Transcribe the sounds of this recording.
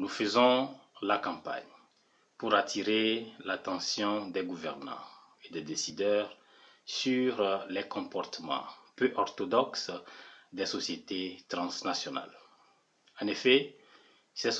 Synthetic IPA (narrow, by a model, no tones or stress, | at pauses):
nufəzɔ̃lakɑ̃pa̰ɲ | puʁat̪ʰiʁelat̪ɑ̃sjɔ̃d̪ɛɡuvɛʁnɑ̰̃ | ed̪ɛd̪esid̪œʁ | syʁlɛkɔ̃pɔʁt̪əmɑ̰̃pøʔɔʁt̪ɔd̪ɔksd̪ɛsɔsjet̪et̪ʁɑ̃snasjɔna̰l | ɑ̃nefɛ | sɛ